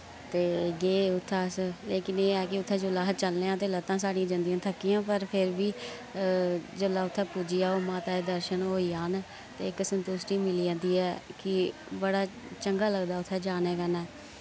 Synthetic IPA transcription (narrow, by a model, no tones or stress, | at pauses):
t̪eːɡeːʊt̪ʰːaːsleːkɪneːɛːkɪʊt̪ʰːɛ̃ːd͡ʒʊlaːɦ̚t͡ʃəlneːãːt̪eːlət̪ːãːsaːɽiãːd͡ʒənd̪ijãːt̪ʰəkːɪjãːpəɾpʰɪɾbiː | d͡ʒʊlaːʊt̪ʰːɛːpuːd͡ʒiːaːoːmãːt̪aːeːd̪əɾʃənɦoːiːaːn | t̪eːɪksənt̪ʊsʈiːmɪliãnd̪iːɛːkɪ | bəɽaː | t͡ʃəŋɡaːləɡd̪aːʊt̪ʰːɛːd͡ʒaːnɛːkənɛː